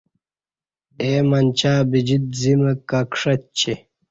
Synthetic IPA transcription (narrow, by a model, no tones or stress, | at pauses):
eːmɐnʲt͡ɕaːbid͡ʑit̪̚zimɐkakʂɐt̪̚t͡ɕʰe